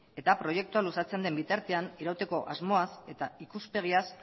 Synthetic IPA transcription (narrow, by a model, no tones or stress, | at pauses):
e̞t̪apɾo̞je̞k̚t̪ualusat͡se̞nd̪e̞mbit̪aɾt̪e̞aniɾawt̪e̞ko̞ʔazmo̞ase̞t̪aikuspe̞ɣ̞ias